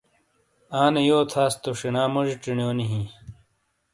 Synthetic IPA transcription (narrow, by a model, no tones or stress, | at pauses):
aːnejoːt̪ʰaːst̪oʂinaːmɐʐiʈ͡ʂiɳjoːniɦĩ